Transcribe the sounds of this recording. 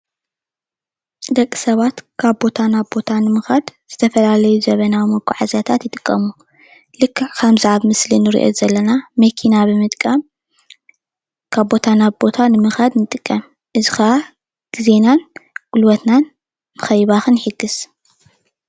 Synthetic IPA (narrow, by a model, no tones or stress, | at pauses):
d̪ɐkʼːi̥sɐβat̪kʰaβbo̞t̪ʰanaβbo̞t̪ʰanɨmɨxad̪z̥ɨt̪ʰɐfɐlalɐjuzɐβɐnawimɐɡʰʷʼṵʕazjat̪ʰat̪jɪt̪ʼɨkʼːɐmu | lɨkʰːɨʕkʰamziʕaβmɨslinɨɾḭʔo̰zɐlːɐnamɐkʰinabɨmɨt̪ʼkʼɐm | kʰaβbo̞t̪ʰanaβbo̞t̪ʰanɨmɨxad̪nɨt̪ʼɨkʼːɐm | ʔɨzixɐʔa | ɡ̥ize̞nanɡ̥ulwɐt̪nan | mɨxɐjβaxɨnħiɡɨs